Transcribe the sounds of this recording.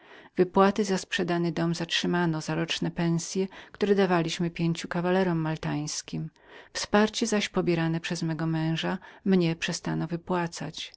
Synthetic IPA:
vɘpwat̪ɘzaspʂɛd̪anɘd̪ɔmzatʂɘmanɔzaɾɔt͡ʂnɛpɛ̃sʲjɛkt̪uɾɛd̪avalʲiɕmɘpʲjeɲt͡ɕukavalɛɾɔmːalt̪aj̃skʲim | fspaɾt͡ɕɛzaɕpɔbʲjɛɾanɛpʂɛzmɛɡɔmɛ̃w̃ʐamɲɛpʂɛst̪anɔvɘpwat̪sa̰t͡ɕ

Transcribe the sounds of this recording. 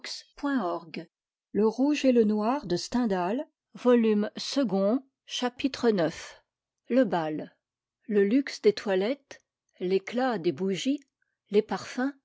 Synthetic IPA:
kspwɛ̃ɔʁɡ | ləʁuʒelənwaʁd̪əst̪ɛ̃d̪al | vɔlymsəɡɔ̃ | ʃapit̪χənœf | ləbal | ləlyksd̪et̪ʰwalɛt̪ | leklad̪ebuʒi | lepaʁfɛ̃

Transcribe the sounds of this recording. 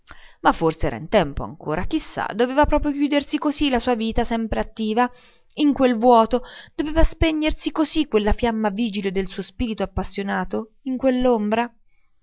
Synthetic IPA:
mafːorseɛːɾa̰int̪ɛmpoa̰ŋkoːɾak̟isːa̰d̪oveːvapɾɔːpɾjok̟juːd̪ersikozilasuːaviːt̪asɛmpɾeat̪ːiːva | iŋkwelvwɔːt̪od̪̥oveːvaspeɲːersikozikːwelːafjamːaviːd͡ʒiled̪elsuːospiːɾit̪oapːasːjonaːt̪o | iŋkwelːombɾa

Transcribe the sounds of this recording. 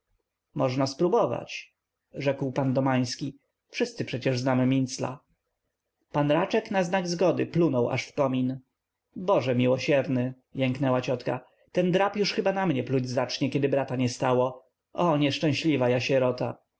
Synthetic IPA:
mɔʐnaspɾubɔva̰t͡ɕ | ʐɛkwpand̪ɔmaj̃skʲi | fʂɘst̪sɘpʂɛt͡ɕɛʐznamɘmʲint̪sla̰ | panɾat͡ʂɛknaznaɡzɡɔd̪ɘ̰plunɔwʔa̰ʂfkɔmʲin | bɔʐɛmʲiwɔɕɛɾnɘ | jɛŋknɛwat͡ɕɔt̪ka | t̪ɛnd̪ɾapjuʂxɘbanamɲɛplud͡ʑʲzat͡ʂɲɛkʲɛd̪ɘbɾat̪aɲɛst̪awɔ | ʔɔɲɛʂt͡ʂɛ̃w̃ɕlʲivajaɕɛɾɔt̪a

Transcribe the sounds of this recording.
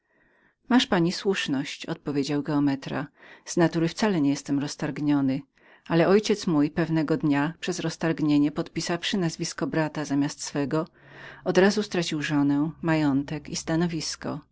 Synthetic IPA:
maʂpaɲiswuʂnɔɕt͡ɕɔ̰t̪̚pɔvʲjed͡ʑawɡɛɔmɛt̪ɾa̰z̥nat̪uɾɘfsalɛɲɛjɛst̪ɛmɾɔst̪aɾɡɲɔnɘ | alɛɔjt͡ɕɛt̪smujpɛvnɛɡɔd̪ɲapʂɛzɾɔst̪aɾɡɲeɲɛpɔt̪pʲisafʂɘnazvʲiskɔbɾat̪azamʲjast̪sfɛɡɔ | ɔd̪ɾazust̪ɾat͡ɕiwʐɔnɛmajɔnt̪ɛkist̪anɔvʲiskɔ̰

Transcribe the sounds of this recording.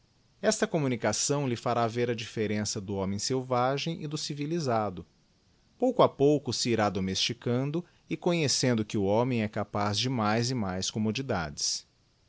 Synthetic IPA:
ɛst̪ɐkomũnikasɐ̃w̃lɪfaɾaveɾɐd͡ʒifeɾẽsɐd̪ʊɔ̃mẽj̃sewvaʒẽj̃ʔɪd̪ʊsivilizad̪ʊ | powkʊapowkʊsɪːɾad̪omest͡ʃikɐ̃nd̪ʊ | ɪkõɲesẽnd̪ʊkɪʊɔ̃mẽj̃ɛkapazd͡ʒɪmajzɪmajskomod͡ʒid̪a̰d͡ʒɪs

